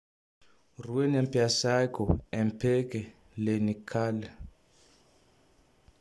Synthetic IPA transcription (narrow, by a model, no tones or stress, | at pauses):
ruwenɛmpʰʼiasakɔɛmpʰɛkɛ | lenikʰaːlɛ